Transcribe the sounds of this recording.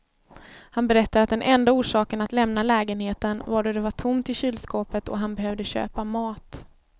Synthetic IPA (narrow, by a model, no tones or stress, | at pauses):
hanbɛɾɛt̪ːad̪at̪̚d̪ɛnʔɛnd̪auːʂɑːkənat̪lɛmnalɛːɡənheːt̪ənvaɖɔd̪ɛvaʈʰʊmt̪ɪɕyːlskoːpət̪ʰɔ̰ɦanbɛɦœvd̪əɕø̰ːpamɑːt̪